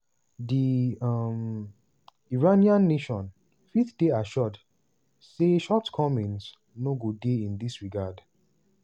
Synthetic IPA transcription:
di | m | iɹaniãnːeʃɔ̃n | fiθdeaʃɔd | seʃɔtkʰɔmɛ̃ns | noɡudeĩnd̪isɹiɡad

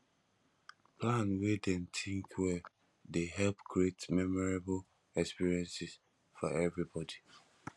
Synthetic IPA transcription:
pʰlãnwedɛ̃ntʰĩŋkwɛ | deɦɛlpkʰɹietmɛmɔɹabl | ɛkspiɹiɛ̃nsɪs | fɔɛvɹibɔdi

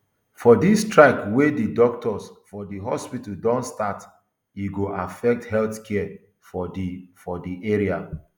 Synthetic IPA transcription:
fɔdistɹakwedidɔk̚tʰɔsfɔdiɦɔspitaldɔ̃nstat | iɡoʔafɛk̚thɛlθkʰɛ | fɔifɔdiʔeɹia

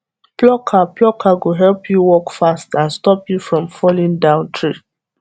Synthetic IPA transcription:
plɔkʰaplɔkʰaɡoɦɛlpʰjuwɔkfastãnstɔpjufɹɔ̃mfɔlĩŋdãʊ̃ntʰɹi

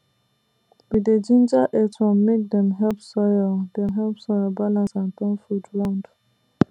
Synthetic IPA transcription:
wided͡ʒĩnd͡ʒaʔɛtɹɔ̃mːek̚dɛ̃mɦɛlpsɔjɔldɛ̃mɦɛlpsɔjɔlbalãnsãntɔ̃nfudɹãnd

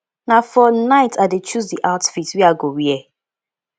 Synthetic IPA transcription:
nafɔnaɪtʰaɪdet͡ʃus̬diʔaʊtfitwiaɡowiɛ

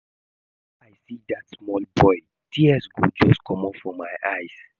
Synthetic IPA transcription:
aɪsidatsmɔlbɔɪ | tʰiəsɡod͡ʒɔskʰɔmɔfɔmaɪʔaɪs

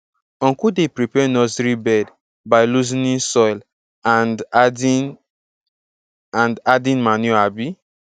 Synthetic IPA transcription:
ɔ̃ŋkudepɾipɛnɔzɾibɛd | baɪluzinĩnsɔjl | an | ãndadĩnmanjuabi

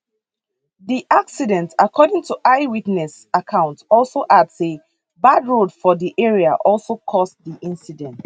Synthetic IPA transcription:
ðiʔaksidɛ̃ntakʰɔdĩŋtʰuʔaɪwitnɛs | akʰãʊ̃ntɔlˠsoʔadse | badɹodfɔdiʔɛɹiaʔɔlˠsokʰɔsdiʔĩnsidɛ̃nt

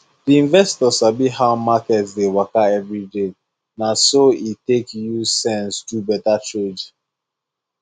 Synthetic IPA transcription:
diĩnvɛstɔsabiɦaʊmakɛtsdewakaɛvɹide | nasoitekjusɛ̃nsdubɛtat͡ʃod͡ʒ

